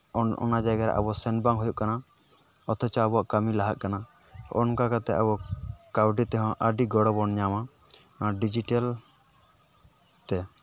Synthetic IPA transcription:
ɔ̰nad͡ʒaɡaɾa̰ʔa̰bɔsɛnbaŋɦujuʔkana | ɔt̪ʰɛt͡ʃɔabɔaʔkamilaɦat̪̚kana | ɔ̰nkakat̪ɛa̰bɔkawɖit̪ɛɦɔ̃ʔəɖiɡɔɽɔbɔnɲama | ɖid͡ʒiʈal | t̪ɛ

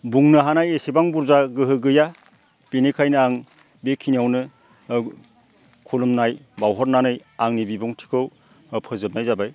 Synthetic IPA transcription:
buŋnɯɦanajesibaŋbuɾzaɡɯɦɯɡɯja | b̥enekʰajnɯaŋ | bekʰinijawnɯ | kʰulumnajbawɦɔɾnanɯjaŋnibibuŋtʰi̥kʰɯw | pʰɯzɯp̚najzabaj

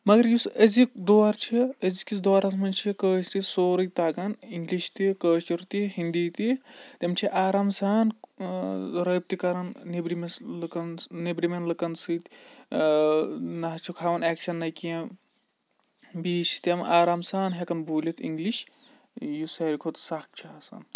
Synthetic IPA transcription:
mɐɡɐɾjusəzikd̪oːɐɾt͡ʃʰiəzikis̬d̪oːɾɐsmɐnt͡ʃʰikəːst̪isoːɾɨjt̪aːɡɐniŋɡliʃt̪ikəːst͡ʃiɾt̪iɦind̪it̪it̪emt͡ʃʰiʔaːɾaːmsaːn | ɾɐːb̚t̪ikɐɾɐnnibɾimeslkɐnnebɾimenlɨkɐnsɨt̪ | nɐɦt͡ʃʰukʰaːʋɐnɛːkʃɐnːɐjkiɐ̃ | biːt͡ʃʰi̥t̪emʔaːɾaːmsaːnɦekɐnbuːlit̪ḭŋɡliʃ | jusɐːɾʲkʰot̪sakt͡ʃʰiɐsɐ̰n

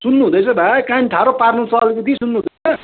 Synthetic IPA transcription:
sunːuɦũd̪ʌjt͡sʰʌbʱakanʈʰaɾoparnũt͡sʰʌːlkut̪ʰisunːuɦũd̪ʌt͡sʰʌ

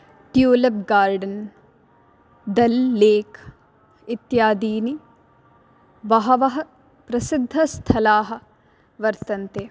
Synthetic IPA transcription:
t̪juːlɐb̚ɡaːɾɖɐn | d̪ɐlːeːk | it̪jaːd̪iːni | ʋɐɦɐʋɐɦɐ | pɾɐsɪd̪ʱːɐst̪ʰɐlaːɦɐ̆ | ʋɐɾt̪ɐnt̪eː

